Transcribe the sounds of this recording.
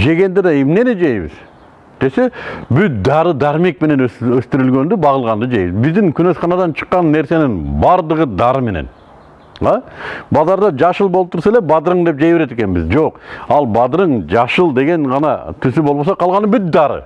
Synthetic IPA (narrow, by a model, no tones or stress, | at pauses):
ʒe̞ɡʲe̞nd̪ɪd̪ɑemnened͡ʒejbɪ̰z̥ | d̪̥e̞se̞bʏt̪̚d̪ɑɾəd̪ɑɾme̞k̚me̞ne̞nɵst̪ɪɾɪlɡʲe̞nd̪ɪbɑʁəlˠʁɑnd̪əd͡ʒejbɪzbɪzd̪ɪŋkʲʰʏnosχɑnɑd̪ɑnt͡ʃʰə̥qːɑnːe̞ɾse̞nɪŋbɑɾd̪əʁəd̪ɑɾəme̞nḛn | ɑbɑzɑɾd̪ɑd͡ʒɑʃəlˠbolˠp̚t̪ʊɾsɑlepbɑd̪əɾəɴd̪e̞p̚d͡ʒejbe̞ɾe̞t̪ekʲe̞nbɪ̰zd͡ʒoqɑlˠbɑd̪ɾəɴd͡ʒɑʃəlˠd̪e̞ɡʲe̞ɴʁɑnɑ̰t̪ʰʏs̬ɪbo̞lˠbosɑqʰɑlˠʁɑnəmbʏt̪̚d̪ɑɾə̰